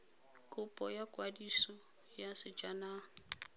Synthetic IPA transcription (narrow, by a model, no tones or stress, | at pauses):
kʼʊpʼɔjakʼwadisɔ | jasɪd͡ʒana